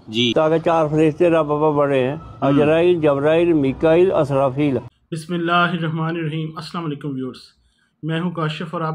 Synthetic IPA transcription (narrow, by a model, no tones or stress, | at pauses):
d͡ʒiːt̪aːɡaːt͡ʃaːɾpʰəɾɪst̪eːɾababaːbəɽeːɦɛ̃ːəd͡ʒɾaːiːld͡ʒəbɾaːiːlmiːkaːilə̰sɾaːfiːlbɪsmɪlːaːɦɪɾːɐɦmaːnɪɾɐɦiːmɐslaːmɐleːkʊmʋjoːɾs | mɛ̃ːɦũːkaːʃəfɔːɾaː